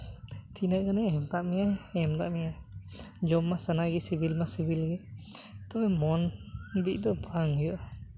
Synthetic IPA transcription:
t̪ʰinaʔkanɛɛmd̪aʔmijaɛmd̪aʔmija | d͡ʒɔmːasanaɡisibilmasibilɡɛt̪ɔbɛmɔnbiʔ̚ˀd̪ɔbʱaŋijɔʔa

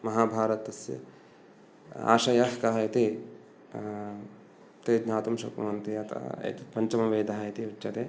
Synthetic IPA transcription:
mɐɦaːbʱaːɾɐt̪ːɐsjɐ̰ | a̰ːʃɐjɐɦkɐɦɐjɐt̪i | t̪eːd͡ʒɲaːt̪umʃɐ̰kɐ̰mɐnt̪iɐt̪ɐ̰t̪ipɐɲt͡ʃɐmɐʋeːd̪ɐɦɐjt̪iut͡ʃːɐt̪e

